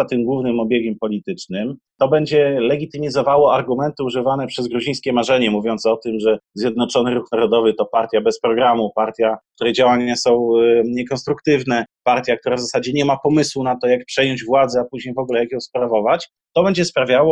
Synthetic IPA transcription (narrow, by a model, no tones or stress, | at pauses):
at̪ɘmɡwuvnɘmɔbʲjeɡʲɛmpɔlʲit̪ɘt͡ʂnɘmt̪ɔbɛɲd͡ʑɛlɛɡʲit̪ɘmʲizɔvawɔaɾɡumɛnt̪ɘuʐɘvanɛpʂɛzɡɾuʑĩj̃skʲɛmaʐɛɲɛmuvʲjɔnt̪sɔt̪ɘmʐɛzʲjɛd̪nɔt͡ʂɔnɘɾuxnaɾɔd̪ɔvɘt̪ɔpaɾt̪ʲjabɛspɾɔɡɾamupaɾt̪ʲjak̚t̪uɾɛd͡ʑawaɲasɔ̃w̃ɲɛkɔnst̪ɾukt̪ɘvnɛpaɾt̪ʲjak̚t̪uɾavzasad͡ʑɛɲɛmapɔmɘswunat̪ɔjak̚pʂɛjɔɲd͡ʑvwad̪zɛapuʑɲejvɔɡulɛjakjɔ̃w̃spɾavɔvat͡ɕ | t̪ɔbɛɲd͡ʑɛspɾavʲjawɔ